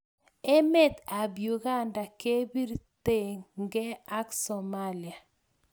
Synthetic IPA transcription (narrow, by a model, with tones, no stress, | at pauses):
e˦mɛ˦˨t̪a˨bju˨ɣa˦nda˨ke˦bi˦ɾte˦˨ŋŋɡɛ˦a˦ksɔ˨ma˦li˨a˨